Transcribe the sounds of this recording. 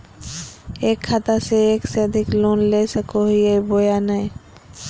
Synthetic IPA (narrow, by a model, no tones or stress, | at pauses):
ekʰːat̪aseekseəd̪ʱiklonlesəkoɦiebojanaj